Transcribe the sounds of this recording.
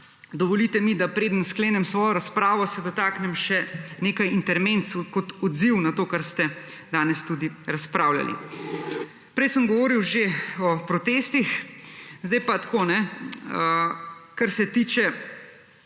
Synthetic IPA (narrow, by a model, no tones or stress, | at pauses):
d̪ɔʋɔliːt̪ɛmid̪apɾeːd̪ənskleːnɛmsʋɔːjɔɾaspɾaːʋɔsɛd̪ɔt̪aːknɛmʃɛneːkajint̪ɛɾment̪sukɔt̪ɔd̪ziwnat̪oːkaɾst̪ɛ | d̪aːnɛst̪ud̪iɾaspɾawla̰lḭ | pɾɛjsəmɡɔʋoːɾiwʒeɔpɾɔt̪eːst̪ixzd̪ajpat̪koːnɛəkaɾsɛt̪iːt͡ʃɛ